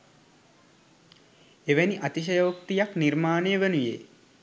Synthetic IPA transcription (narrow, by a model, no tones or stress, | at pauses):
eʋæniʔat̪iʃ̬əjoːk̚t̪ijakniɾmaːnejəʋenujḛː